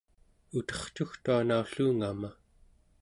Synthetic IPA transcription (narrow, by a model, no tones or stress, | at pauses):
ut̪ʌ̥χt͡ʃuxt̪uanauɬuːŋama